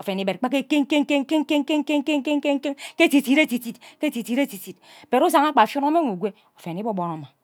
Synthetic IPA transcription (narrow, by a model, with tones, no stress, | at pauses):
o˨fe˨ni˨be˨t̚k͡pa˦ke˦ke˦ŋ˦ke˦ŋ˦ke˦ŋ˦ke˦ŋ˦ke˦ŋ˦ke˦ŋ˦ke˦ŋ˦ke˦ŋ˦ke˦ŋ˦ke˦ŋ˦ke˦ŋke˦ti˨ti˨˦ɾe˦ti˨ti˨tke˦ti˨ti˨ɾe˦ti˨ti˨t̚ | be˨ɾu˦sa˨ŋa˦k͡pa˨fju˦no˦me˦ŋu˨ɡʷe˦ | o˨fe˨ni˦bo˦bo˨ɾa˨ma˨